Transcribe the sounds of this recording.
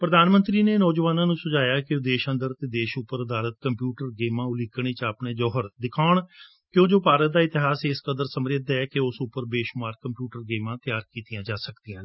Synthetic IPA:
pɾəd̪aːnmənt̪ɾiːneːnɔːd͡ʒʋaːnãːnũːsʊd͡ʒaːjaːkɪd̪eːʃənd̪əɾt̪eːd̪eːʃʊpːəɾəd̪aːlət̪̚kəmpjuːʈəɾɡeːmãːʊlɪkɳ̃eːt͡ʃaːpɳeːd͡ʒɔːɦəɾd̪ɪkʰaːɳ | kjõːd͡ʒoːpaːɾət̪̚d̪aːɪt̪ɪɦaːseɪskəd̪əɾsəmɾeːd̪ɛːkeʊsʊpəɾbeːʃʊmaːɾkəmpjuːʈəɾɡeːmãːt̪ɪjaːɾkiːt̪ijãːd͡ʒaːsəkd̪ijãː

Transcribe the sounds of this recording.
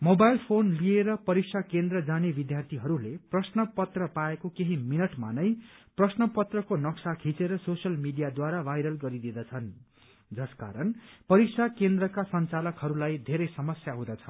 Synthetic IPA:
mobajlpʰonlieɾʌpʌɾiksʰakend̪rʌd͡zanebid̪jart̪ʰiɦʌɾuleprʌsnʌpʌt̪rʌpaekokeɦiminʌʈmanʌjprʌsnʌpʌt̪rʌkonʌksakʰit͡seɾʌsosʌlmiɖijad̪waɾabʱajɾʌlɡʌɾid̪id̪ʌt͡sʰʌn | d͡zʌska̰ɾʌnpʌɾiksʰakend̪rʌkasʌnt͡salʌkɦʌɾulajd̪ʱeɾʌjsʌmʌsjaɦũd̪ʌt͡sʰʌ̥

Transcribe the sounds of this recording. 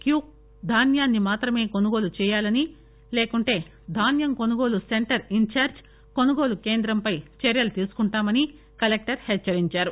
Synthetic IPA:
kjuːk̚ | d̪ʱaːnjaːnːimaːt̪ɾɐme̞ːko̞nuɡo̞ːlut͡ʃɛːjaːlɐni | leːkuɳʈe̞ː | d̪ʱaːnjɐmko̞nuɡo̞ːluse̞ɳʈɐɾiɲt͡ʃaːɾd͡ʒ | ko̞nuɡo̞ːluke̞ːnd̪ɾɐmpɐjt͡ʃɐɾjɐlt̪iːsu̥kuɳʈaːmɐni | kɐlek̚ʈɐɾhɛt͡ʃːɐɾiɲt͡ʃaːɾu

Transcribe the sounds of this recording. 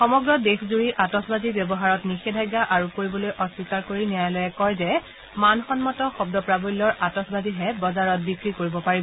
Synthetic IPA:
xɔmɔɡɹɔdexzuɹiʔatɔsbazibjɔbɔɦaɹɔtnixɛdʱajɡːaʔaɹukoɹibɔlojʔɔswikaɹkoɹiniajlɔjɛkɔjzɛ | manxɔnmɔtɔxɔbdɔpɹabujlːɔɹatɔsbaziɦɛbɔzaɹɔt̚bikɹikoɹibɔpaɹib

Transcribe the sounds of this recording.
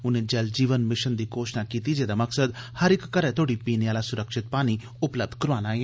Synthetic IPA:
ʊnẽːd͡ʒɛld͡ʒiːʋənmɪʃənd̪iːɡoːʃnaːkiːt̪id͡ʒeːd̪aməksəd̪həɾɪkːəɾɛ̃t̪ʰoːɽipiːneaːlaːsʊɾəkʃɪt̪̚paːñi | ʊpləb̚d̪ʱkəɾʋaːnaːe

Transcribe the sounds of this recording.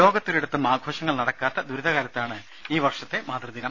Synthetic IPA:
o̞ːɡɐt̪ːoɾiɽut̪ːumaːɡʱo̞ːɕɐŋːɐɭnɐɽɐkːaːt̪ːɐd̪uɾud̪ʱɐɣaːɾɐt̪ːaːɳɨ | iːʋɐrʂɐt̪ːe̞maːd̪rɐd̪inɐm

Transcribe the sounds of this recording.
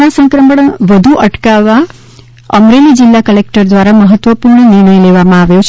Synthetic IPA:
asə̃ŋkɾəməɽʋəd̪ʱuʔəʈkaʋa | əmɾelid͡ʒɪlːakəlek̚ʈəɾd̪ʋaɾaməɦət̪ʋəpuɾɳənɪɾɳəjleʋamãaʋjot͡ʃʰ

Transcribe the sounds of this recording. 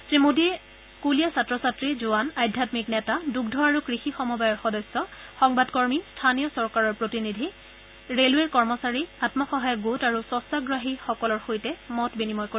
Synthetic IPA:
tɹimodi | kulijasatɹɔsatɹizʊanajdʱjatmiknɛtaduɡdʱɔaɹukɹixixɔmɔbajɔɹxɔdɔsːɔxɔŋbadkɔɹmistʰanijɔsɔɹkaɹɔɹpɹotinidʱi | ɹeleɹkɔɹmɔsaɹiatmɔxɔɦajɔɡutaɹusɔsaɡɹaɦixɔkɔlɔɹxojtɛmɔtbinimɔjkoɹ

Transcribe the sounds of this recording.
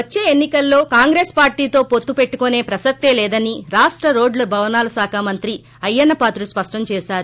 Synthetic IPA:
ɐt͡ʃːe̞ːenːikɐlːo̞ːkaːŋɡɾeːspaːɾʈiːt̪o̞ːpo̞t̪ːupe̞ʈːukone̞ːpɾɐsɐk̚t̪e̞ːlɛːd̪ɐniɾaːʂʈɾɐɾo̞ːɖlɐbʱɐʋɐnaːlɐsaːkʰaːmɐnt̪ɾi | ɐjːɐnːɐpaːt̪luspɐʂʈɐɲt͡ʃɛːʃaːɾu

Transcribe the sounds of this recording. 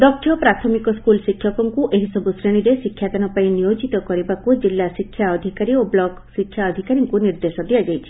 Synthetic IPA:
d̪ɔk̚ʈʰjɔpɾat̪ʰɔmikɔskulʃikʰːjɔkɔŋkuʔeɦisɔbusɾeɽ̃iɾeʃikʰːjat̪ɔnɔpaĩnijod͡ʒit̪ɔkɔɾibakud͡ʒilːasikʰːjaɔd̪ʱikaɾioblɔksikʰjaɔd̪ʱikaɾiŋkuniɾd̪eʃɔd̪ijad͡ʒajt͡ʃʰi̥

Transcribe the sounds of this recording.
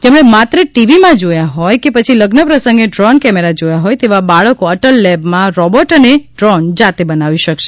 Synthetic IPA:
d͡ʒemɽemat̪ɾəʈiʋimãd͡ʒojaɦɔjkepət͡ʃʰiləɡnəpɾəsəŋɡeɖɾɔnkɛmeɾad͡ʒojaɦɔjt̪eʋabaɭəkoəʈəlːɛbmãɾɔbɔʈəneɖɾɔnd͡ʒat̪ebənaʋiʃəkʃe

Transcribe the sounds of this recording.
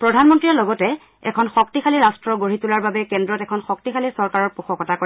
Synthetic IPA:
pɹɔdʱanmɔntɹijalɔɡɔtɛ | ɛ̰kʰɔnxɔk̚tixʰaliɹastɹɔɡoɹitulaɹbabɛkɛndɹɔtɛkʰɔnxɔk̚tixʰalisɔɹkaɹɔɹpuxɔkɔtʰako

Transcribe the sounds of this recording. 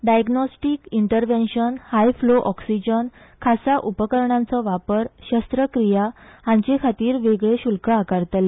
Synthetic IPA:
ɖajɡnɔsʈikiɳʈəɾʋenɕənhajfloʔɔksid͡ʑən | kʰasaʔupəkəɾɳãnt͡sɔʋapəɾɕəst̪ɾəkɾijaãɲt͡ɕekʰat̪iːɾʋeɡɭeɕulkaakaɾt̪le

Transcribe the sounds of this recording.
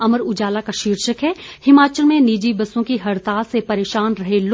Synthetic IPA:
ɐməɾʊd͡ʒaːlakaʃiːɾʃəkɦɛhɪmaːt͡ʃəlmẽniːd͡ʒibɐsõkiɦɐɾt̪aːsepɐɾeːʃaːnɾɐɦelo

